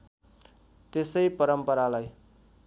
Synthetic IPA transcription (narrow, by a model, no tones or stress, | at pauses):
t̪esʌjpʌɾʌmpʌɾalaj